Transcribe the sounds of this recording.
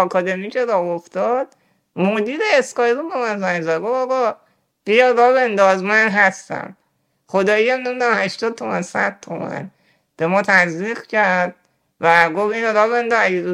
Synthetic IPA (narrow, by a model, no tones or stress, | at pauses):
ɒkʰɒd̪emicʰeɾɒːoft̪ɒd̪̥̚ | mod̪iːɾeːskɒjɾumbemænzæɲzæd̪ɡofɒɣɒː | b̥ijɒɾɒːbend̪ɒːzmænɦæst̪æ̰m | χod̪ɒːijæmnemud̪æmhæʃt̪ɒːd̪̚t̪ʰomænsæ̰d̪̥̚t̪ʰomæ̰n | b̥e̞mɒːt̪ʰæziːqcʰæɾd̪̚ | væɡofĩnɾɒːbend̪ɒzæɟed̪u